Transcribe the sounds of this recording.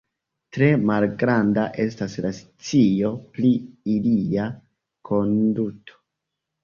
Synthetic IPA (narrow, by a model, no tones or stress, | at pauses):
tɾe̞malɡɾandaʔe̞s̬taslas | t͡sijo̞pliilia | kʰo̞ndutʰo̥